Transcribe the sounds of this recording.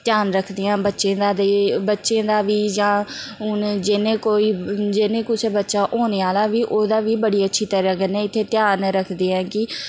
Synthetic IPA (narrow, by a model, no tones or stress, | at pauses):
t̪jaːnɾəkʰd̪ejãːbətːʃẽːd̪aːd̪eːbətːʃẽːd̪aːʋiːd͡ʒãːʊnd͡ʒɪnẽːkoːiːd͡ʒɪnẽːkʊt͡ʃʰbətːʃaːʔoːneːaːlaːʋiːʔoːd̪aːʋiːbəɽiːətːʃʰiːt̪əɾə̃ːɡənɛ̃ːɪt̪ʰːeːt̪jaːnɾəkʰd̪eːɛ̃ːkɪ